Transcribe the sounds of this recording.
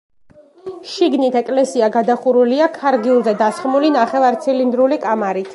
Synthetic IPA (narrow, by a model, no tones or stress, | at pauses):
ʃiɡnit̪ʰɛkʼlɛsiaɡad̪aχuɾuliakʰaɾɡiulˠzɛd̪asχmulinaχɛvaɾt̪sʰilind̪ɾulikʼamaɾit̪ʰ